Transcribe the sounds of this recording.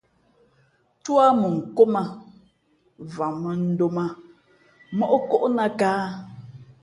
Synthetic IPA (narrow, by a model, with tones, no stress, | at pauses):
twa˦mə˨ŋ̩˨ko˦ma˨ | va˨mə˨n̩˦do˦ma˦ | mɔ˦ʔko˦ʔna˦kaː˦